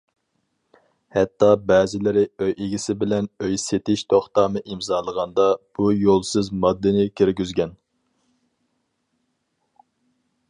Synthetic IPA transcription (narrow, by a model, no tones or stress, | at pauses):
hɛt̪ʰːɑbɛːzɪlɪɾɪøjeɡʲisɪbɪlɛnøjset̪ɪʃt̪ʰoχt̪ɑːmɨʔimzɑːlˠəʁɑnd̪ɑb̥ujolˠsɨzmɑd̪ːɨnɪkʲʰyɾɡʲyzɡʲɛn